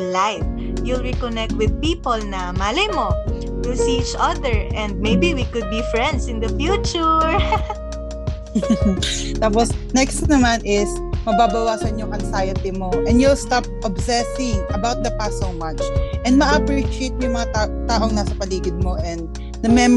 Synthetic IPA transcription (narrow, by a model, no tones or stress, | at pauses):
lajf | julɹikɔnɛk̚t̪̚wɪd̪̚piːpolnɐmaːlɐjmo | tusit͡ʃɐd̪ɛɹɛ̃nd̪̚mejbiwikʊd̪̚bifɹɛ̃nd̪sɪ̃nd̪ɐfjuːt͡ʃʊɹ | t̪aːp̬osnɛkst̪nɐmanʔɪs | mɐbaːbɐwaːsɐnjʊŋʔɐnsajɐt̪ɪmo̞ʔɛ̃nd̪julst̪ap̚ʔɐbsɛsɪ̃ŋɐbawt̪̚d̪ɐpasomat͡ʃʔɛ̃nd̪̚mɐʔɐpɹiʃɪejt̪̚mjŋmɐŋat̪at̪aːʔoŋnɐsɐpɐliːɡɪd̪̚mo̞ʔɛnd̪̚ | d̪ɐmɛm